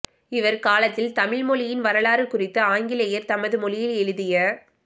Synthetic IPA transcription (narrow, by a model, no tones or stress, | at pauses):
ɪʋɐɾkaːlɐt̪ːɪlt̪ɐmɪɻmɔɭɪjɪnʋɐɾɐlaːɾɯkʊrɪt̪ːɐaːŋɡɪlɐjɐɾt̪ɐmɐðɯmɔlɪjɪlɛɻɯðɪjɐ